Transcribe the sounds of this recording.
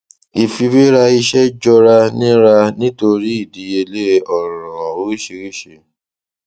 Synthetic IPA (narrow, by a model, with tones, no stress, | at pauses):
i˨fi˧be˦ɾa˧i˧ʃɛ˦d͡ʒɔ˧ɾa˧nĩ˦ɾa˧nĩ˦to˧ɾi˦i˦˨di˨˦e˧le˦ɔ˦˨ɾɔ̃˨o˦ɾi˦ʃe˧ɾi˦ʃe˦˨